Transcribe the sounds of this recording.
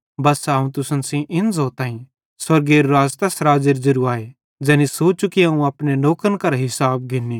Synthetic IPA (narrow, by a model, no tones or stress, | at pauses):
bɐsɦɐũt̪ʊsənsĩʔɪ̃nzoːt̪ãːĩ | swɐɾɡeːɾɾaːd͡ʒt̪ɐsɾaːd͡ʒeɾd͡ʒɐɾuaːe | d͡ʒɛːnisoːt͡ʃukiɦãũɐpneloːkənkɐɾɦɪsaːb̚ɡɪnːi